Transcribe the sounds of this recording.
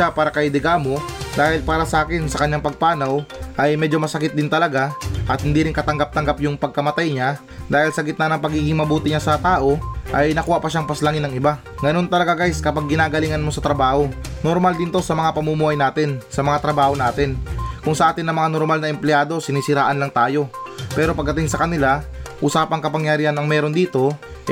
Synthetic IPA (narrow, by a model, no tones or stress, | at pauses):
apaːɾɐkɐjɪd̪ɪɡaːmo̞d̪aːhɪlpaːɾɐsɐʔaːkɪnsɐkɐɲaŋpɐɡ̚paːnɐwʔɐjmɛːd͡ʒo̞mɐsɐkɪt̪̚d̪ɪnt̪ɐlɐɡaʔɐt̪̚hɪnd̪iːɾɪnkɐt̪ɐŋɡap̚t̪ɐŋɡapjʊŋpɐɡ̚kɐmɐt̪ajɲa | d̪aːhɪlsɐɡɪt̪nɐnɐŋpɐɡiːɡɪŋmɐbuːt̪ɪɲasɐt̪aːʔo̞ʔɐjnɐkuːhaʔpɐʃaŋpɐslɐŋɪnːɐŋɪba | ɡɐno̞nt̪ɐlɐɡaɡajskɐpaɡ̚ːɪnaːɡɐlɪŋɐnmo̞sɐt̪ɾɐbaːho̞noɾmald̪iːnt̪o̞sɐmɐŋapɐmumuːhɐjnaːt̪ɪnsɐmɐŋat̪ɾɐbaːho̞naːt̪ɪnkʊŋsɐʔaːt̪ɪnːɐmɐŋano̞ɾmalnɐʔɛmplɪjaːd̪o̞sɪniːsɪɾaːʔɐnlɐŋt̪aːjo̞pɛːɾo̞pɐɡ̪ɐt̪ɪŋsɐkɐnɪlaʔuːsaːpɐŋkɐpɐŋjɐɾiːhɐnɐŋmɛːɾo̞nd̪iːt̪o̞